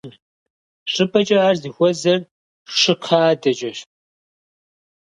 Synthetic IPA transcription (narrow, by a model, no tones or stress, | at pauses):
ɕʼɨpʰʼɐt͡ʃʼɐaːrzixʷɔzɐr | ʂɨqʰaːdɐt͡ʃʼɐʃ